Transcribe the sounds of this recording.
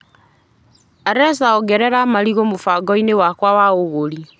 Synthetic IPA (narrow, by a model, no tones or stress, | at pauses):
aɾɛsaɔɡɛɾɛɾamaɾiɣomofaɡɔinewakwawaoɣoɾi